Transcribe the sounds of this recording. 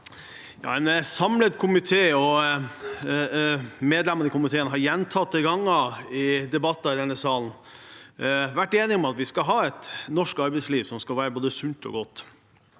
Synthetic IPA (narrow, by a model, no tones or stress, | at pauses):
jɑ̰ːɛnsɑmlət̪kʰʊmɪt̪ʰeːɔ | meːd̪lɛmənɪkʰʊmɪt̪ʰeːənəɦɑɾjɛnt̪ʰɑt̪̚d̪ɛɡɑŋːɑɪd̪ɛbɑt̪ːɑɾɛnəsɑːln | ʋæʈːeːnɪŋɔmɑt̪ʋɪskɑɦɑːɛt̪nɔʂkɑɾbɛɪsliːʋsɔmskɑlʋæːɾəboːd̪əsʉnt̪ʰɔ̰ɡɔt̪ː